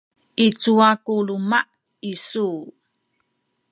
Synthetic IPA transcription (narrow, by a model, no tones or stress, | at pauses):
ʔit͡suakulumaʔ | isu